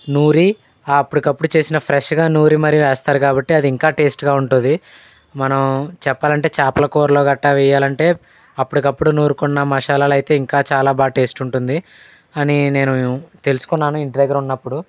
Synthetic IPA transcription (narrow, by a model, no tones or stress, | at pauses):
nuːɾi | aːɐpːuɽikɐpːuɽut͡ʃe̞ːsinɐpʰɾeʂɡaːnuːɾimɐɾijuʋɛːst̪aːɾukaːbɐʈːiɐd̪iːŋkaːʈe̞ːsʈɡaːuɳʈund̪i | mɐnɐmt͡ʃɛpːaːlɐɳʈe̞ːt͡ʃaːpɐlɐkoːɾloːɡɐʈːaːʋɛjaːlɐɳʈe̞ː | ɐpːuɽikɐpːuɽunuːɾukunːɐmɐʂaːlaːlɐjt̪e̞ːiŋkaːt͡ʃaːlaːbaːʈe̞ːsʈuɳʈund̪i | ɐnine̞ːnut̪e̞lusu̥kunːaːnuiɳʈid̪ɐɡːɐɾunːɐpːuɽu